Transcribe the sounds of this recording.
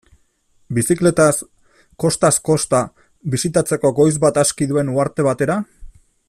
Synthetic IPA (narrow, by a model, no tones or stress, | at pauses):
bisikle̞t̪as | ko̞st̪asko̞st̪a | βisit̪at͡se̞ko̞ɡo̞jzbat̪askiðue̞nuaɾt̪e̞β̞at̪e̞ɾa